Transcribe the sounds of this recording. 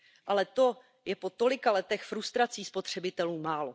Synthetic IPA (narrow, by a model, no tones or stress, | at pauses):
ʔalɛt̪o̞ | jɛpo̞t̪o̞lɪkalɛt̪ɛxfɾust̪ɾat͡siːspo̞t̪r̝̥ɛbɪt̪ɛluːmaːlo̞